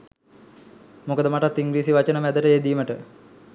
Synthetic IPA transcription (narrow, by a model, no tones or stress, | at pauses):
mukəd̪əmaʈat̪ːiŋɡɾiːsiʋat͡ʃənəmæd̪əʈəeːd̪iːməʈə